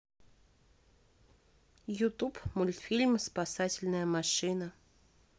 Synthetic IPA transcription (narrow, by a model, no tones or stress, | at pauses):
jʊt̪upmʊlʲt̪fʲilʲmspasatʲɪlʲnəjəmaʂɨnə